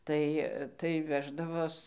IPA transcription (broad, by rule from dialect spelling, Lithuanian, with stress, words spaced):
ˈtɐɪ tɐɪ ˈʋʲæːʒdɐʋoːs